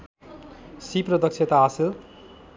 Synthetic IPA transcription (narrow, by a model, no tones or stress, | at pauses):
siprʌd̪ʌkt͡ʃʰet̪aasil